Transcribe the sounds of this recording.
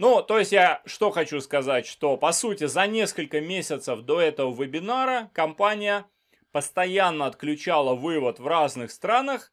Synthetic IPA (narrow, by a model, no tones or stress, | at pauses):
nut̪o̞jɪsʲtʲjaʂt̪o̞xɐt͡ɕuskɐzatʲʂt̪o̞pɐsutʲɪzɐnʲe̞skəlʲkəmʲesʲɪt̪səfd̪o̞ɛt̪əvəvɨbʲɪnaɾəkɐmpanʲɪjə | pəst̪ɐjanːəɐt̪klʲʉt͡ɕalˠəvɨvət̪vraznɨxst̪ɾanəx